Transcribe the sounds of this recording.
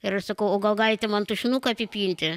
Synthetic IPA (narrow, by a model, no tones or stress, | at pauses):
ɪɾɐʃsɐkɐʊoːɡɐlˠɡɑːlʲɪt̪ʲɛmɐnt̪uːʃʲɪnuːkɐɐpʲɪpʲiːnʲt̪ʲɪ